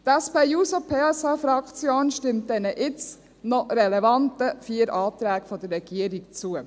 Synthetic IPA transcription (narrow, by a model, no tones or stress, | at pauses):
t̪ɛspejuːsopʰeːɛsɑfɾɑkt͡sjoːnʃtɪmt̚dɛnəʔɪt͡s | nɔɾɛlɛvɑntəfiːəɾʔɑːt̪ɾæːkfɔd̪ərːɛɡ̥iəɾikt͡suə